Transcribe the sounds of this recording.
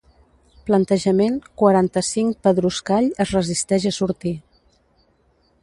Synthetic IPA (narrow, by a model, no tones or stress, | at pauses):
plənt̪əʒəmeŋkwəɾant̪əsiŋpəðɾuskaʎəzrəzist̪ɛʒəsuɾt̪i